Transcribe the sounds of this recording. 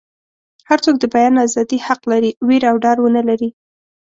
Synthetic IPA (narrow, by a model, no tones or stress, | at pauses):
haɾt͡sok̚d̪əbajɑnazɑd̪ihaqlaɾiweɾawɖɑɾwənəlaɾi